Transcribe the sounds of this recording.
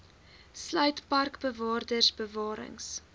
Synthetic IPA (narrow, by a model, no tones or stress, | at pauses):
slœɥtpɐrkbəvɑːrdərsbəvɑːɾə̰ŋs